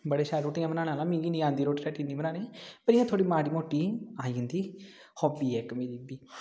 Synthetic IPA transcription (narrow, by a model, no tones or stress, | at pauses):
bəɽeːʃaːɾɾoːʈiːãbənãːñaːlãːmĩːɡiːnĩãːnd̪iːɾoːʈiːɾɛːʈĩːnd̪iːbənaːneːpəɾɪːjãːt̪ʰoːɽiːmaːɽiːmoːʈːiːaːĩːnd̪iː | hɔːbiːɛːkmiːliːbiː